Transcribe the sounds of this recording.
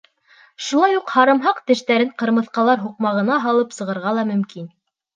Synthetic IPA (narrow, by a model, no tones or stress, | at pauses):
ʃulˠɑjuqhɑɾɤ̆mɦɑqt̪ɘ̆ʃt̪æɾɘɴqɤ̆ɾmɤ̆θqɑlˠɑɾɦuq̚mɑʁɤ̆nɑɦɑlˠɤpsɤ̆ʁɤ̆ɾʁɑlˠɑmɵ̆mkin